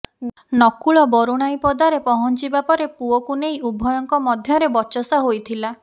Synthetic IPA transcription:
nɔkuɭɔbɔɾuɽ̃ajpɔd̪aɾepɔɦɔnt͡ʃibapɔɾepuɔkunejubʱɔjɔŋkɔmɔd̪ʱjɔɾebɔt͡ʃɔsɔɦojt̪ʰila

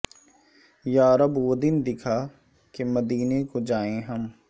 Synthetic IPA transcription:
jaːɾəbəd̪ɪnd̪ɪkʰaː | kemɐd̪iːnekod͡ʒaːẽɦɐm

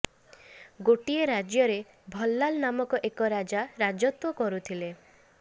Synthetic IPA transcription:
ɡoʈieɾad͡ʒjɔɾe | bʱɔlːalnamɔkɔʔekɔɾad͡ʒaɾad͡ʒɔt̪wɔkɔɾut̪ʰile

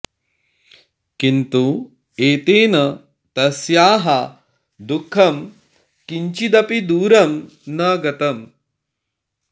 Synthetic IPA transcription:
kint̪u | eːt̪eːnɐ | t̪ɐsjaːɦɐ | d̪ukʰːɐm | kiɲt͡ʃid̪ɐpid̪uːɾɐm | nɐɡɐt̪ɐm

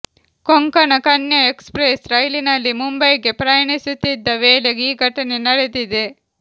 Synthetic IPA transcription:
koŋkɐnɐkɐnjɐekspɾesɾɐjlinɐlːimumbɐjɡe̞pɾɐjɐɳisut̪ːid̪ːɐʋeːɭeɡeiːɡʱɐʈɐne̞nɐɽed̪id̪e̞

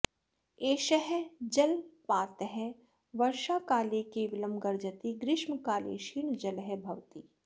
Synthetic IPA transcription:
eːʃəɦɛd͡ʒɐlpaːt̪ɦɛ | ʋɐɾʃaːkaːlekeːʋɪləmɡɐɾd͡ʒət̪iɡɾɪʃmkaːlḛːʃiːɳd͡ʒɐlɦɛbʱɐʋt̪iː

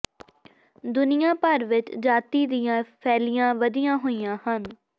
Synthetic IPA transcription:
d̪ʊnɪjãːpəɾʋɪt͡ʃd͡ʒaːt̪iːd̪ɪjãːpʰɛːlɪjãːʋəd̪ɪjãːɦoːijãːhən

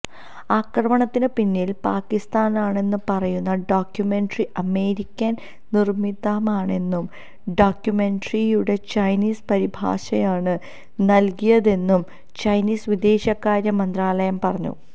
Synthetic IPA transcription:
aːkrɐmɐɳɐt̪ːinɨpinːiːlpaːkːist̪aːnaːɳe̞nːɨpɐrɐjunːɐɖoːkjume̞ɳɖriʔɐme̞ːɾikʲːɐn | nirmiðaːmaːɳe̞nːum | ɖoːkjume̞ɳɖrijuɽe̞t͡ɕɐjniːspɐɾibʱa̰ːʂɐjaːɳɨ | nɐlkijɐðe̞nːum | t͡ɕɐjniːsʋid̪e̞ːɕɐkːaːɾjɐmːɐnd̪raːlɐjɐmpɐrɐɲːṵ

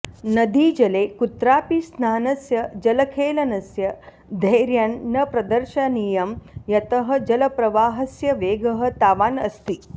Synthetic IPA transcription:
nɐd̪id͡ʒɐleːkut̪ɾaːpisnaːnɐsjɐd͡ʒɐlɐkʰeːlɐnɐsjɐ | d̪ʱɐjɾjɐnːɐpɾɐd̪ɐɾʃɐnijɐmjɐt̪ɐɦɐ̆d͡ʒɐlɐpɾɐʋaːɦɐsjɐʋeːɡɐɦɐ̆t̪aːʋaːnɐst̪i

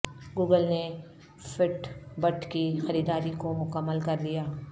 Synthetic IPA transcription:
ɡuːɡəlne | fɪʈbəʈkixɐɾiːd̪aːɾikomʊkəmːəlkɐɾlijaː

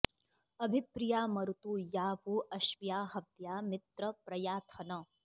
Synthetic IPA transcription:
ɐbʱipɾijaːmɐɾut̪uːjaːbuːʔɐʃʋjaːɦɐʋjaːmɪt̪ɾɐpɾɐjaːt̪ʰɐnɐ

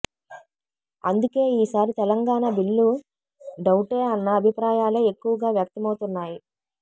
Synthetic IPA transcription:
ɐ̰nd̪uke̞ːiːsaːɾit̪ɛlɐŋɡaːnɐbilːu | ɖɐwʈeːɐnːɐːbʱipɾaːjaːleekːuʋɐɡaːʋjɐk̚t̪ɐmɐwut̪unːaːji

